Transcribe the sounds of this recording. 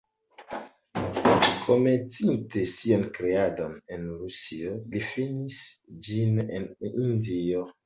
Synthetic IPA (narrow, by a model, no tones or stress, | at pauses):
kʰomet͡sintesionkɾeado̞ne̞nɾusiolifinisd͡ʒinḛnindio